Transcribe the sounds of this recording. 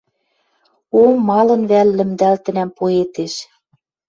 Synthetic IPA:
olmɑlɤ̆nβælːɘ̆md̪ælt̪ɘ̆næmpoet̪eʃ

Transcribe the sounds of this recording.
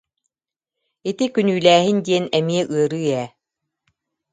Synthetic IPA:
it̪ikynyːlæːɦind̪iɛnɛmiɛʔɯɐɾɯːɛː

